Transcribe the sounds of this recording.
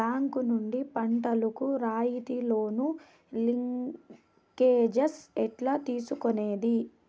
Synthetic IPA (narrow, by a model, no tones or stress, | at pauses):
aːŋkunuɳɖipɐɳʈɐlukuɾaːjit̪ilo̞ːnu | liŋ | keːd͡ʒesɛʈlɐt̪iːsukoneːd̪i